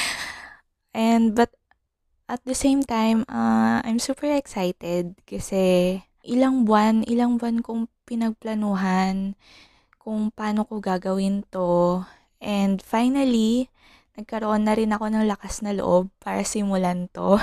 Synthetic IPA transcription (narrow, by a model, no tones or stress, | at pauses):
ʔɛnd̪̚bɐt̪̚ | ʔɐt̪̚d̪ɐsejmt̪ajmɐʔa̰jmsuːpɛɹɛksajt̪ɛd̪̚kɐsɛ | ʔɪlaŋbwanʔɪlaŋbwankʊŋpɪnɐɡ̚plɐnuːɦan | kʊŋpaːno̞koɡaːɡɐwɪnt̪o̞ | ʔɛnd̪fajnɐli | nɐɡ̚kɐɾoʔo̞nːɐɾɪnɐko̞nɐŋlɐkasnɐloʔob̚paːɾɐsimʊlant̪o̞